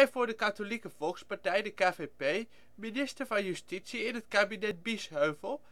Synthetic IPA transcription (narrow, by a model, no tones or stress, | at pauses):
jvʊːɹdəkatolikəvɔlˠkspaɹtɛjdəkaːvepej | minɪstəɹvɑnjystitsiɪnɦətkaːbinɛd̚bisɦøɥvəlˠ